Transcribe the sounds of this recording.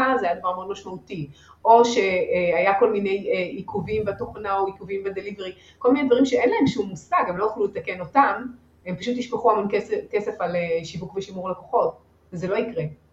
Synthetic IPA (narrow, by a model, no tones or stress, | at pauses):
azajad̪avaʁmod̪maʃmauti | oʃe̞ajako̞lmine̞jikuvimveatoχnaoikuvimvead̪eliveʁi | kolminejdvaʁimʃeenlaemʃumːusaɡemlo̞juχlulet̪akeno̞tam | empaʃut̪iʃpeχuamonkeskese̞faleʃivukveʃimuʁlakoχo̞t̚ | vezelo̞ikʁe